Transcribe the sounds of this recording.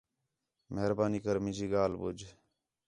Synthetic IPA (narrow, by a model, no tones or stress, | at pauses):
meɦɾbaːniːkəɾmɪ̃d͡ʒiːɡaːlbʊ̰d͡ʒ